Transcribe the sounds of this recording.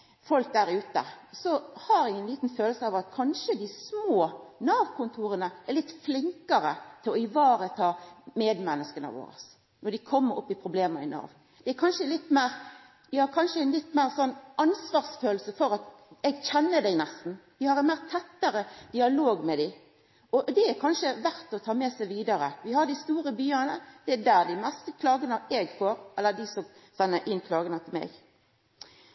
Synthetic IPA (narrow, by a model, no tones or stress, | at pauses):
fɔlk̚d̪æːɾʉːt̪ə̰sɔhɑɾɪŋːənliːt̪n̩føːləsəɑʋɑt̪kʰɑnʂəd̪ɪsmoːnɑːʋkʰʊnt̪ʰuːɾənəæɾlɪt̪ːflɪŋkəɾət̪ʰɪlɔɪʋɑːɾət̪ʰɑːmeːd̪mɛnːəskənə̰ʋo̰ːɾə̰s | nɔd̪ɪkʰɔmːəɾɔ̰pːɪpʰɾʊbleːməɪ̰nɑ̰ːʋ | d̪̥ɛæɾkʰɑnʃəlɪt̪ːmæːɾ | d̪ɪhɑɾkʰɑnʂəɛnlɪt̪ːmæːɾsɔnːʔɑnsʋɑːʁsføːlsəfɔɾɑt̪ | ɛɡçɛnːəd̪ɛɡnɛst̪n̩d̪ɪhɑɾɛnmæːɾt̪ʰɛt̪ːəɾəd̪̥ɪɑloːɡmɛd̪ɪ | ɔd̪ɛæɾkʰɑnʃəʋæɾt̪ɔt̪ʰɑːmɛsɛʋiːd̪ɑɾəʋɪhɑd̪ɪst̪uːɾəbyːənəd̪̥ɛæd̪æːɾd̪ɪmɛst̪əkʰlɑːɡənəɛɡfoːɾʔɛlːəd̪ɪsɔmsɛnːəɾʔɪnːkʰlɑːɡənət̪ʰɪlmɛ̰ːɡ